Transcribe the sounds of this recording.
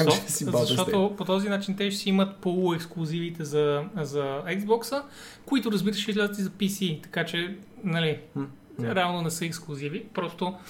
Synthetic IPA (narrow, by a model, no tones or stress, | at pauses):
ɔsizɐʃt̪ɔt̪opot̪ɔzinat͡ʃint̪ɛʃɛsiimət̪polˠoɛksklˠʊzivit̪ɛzɐzɐɛɡzbɔksə | koit̪ʊɾɐzbit̪əʃizlʲɛzət̪izɐpisit̪ɐ̥kat͡ʃɛ | nɐli | ɾɛavnonɛsɤɛksklˠʊzivipɾɔst̪o